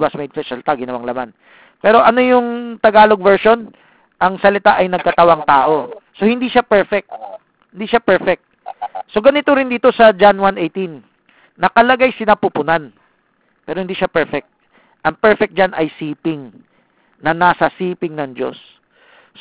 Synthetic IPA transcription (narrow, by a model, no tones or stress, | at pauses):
bɐsmed̪̚fɛsɐlɪt̪aɡɪnɐwaŋlɐman | pɛːɾo̞ʔɐno̞jʊŋt̪ɐɡaːlo̞ɡ̚vɛɹʃo̞n | ʔɐŋsɐlɪt̪aʔɐjnɐɡ̚kɐt̪ɐwaŋt̪aːʔo̞so̞hɪnd̪iʃapɛɹfɛk̚t̪̚ | hɪnd̪iːʃapɛɹfɛk̚t̪̚so̞ɡɐnɪt̪oɾɪnd̪iːt̪o̞sɐd͡ʒanwanejt̪inː | ɐkɐlɐɡajsɪnapupʊnan | pɛːɾohɪnd̪iːʃapɛɹfɛk̚t̪̚ | ʔɐŋpɛɹfɛk̪̚d͡ʒanɐjsiːpɪŋ | nɐnasɐsiːpɪŋnɐŋd͡ʒo̞̰s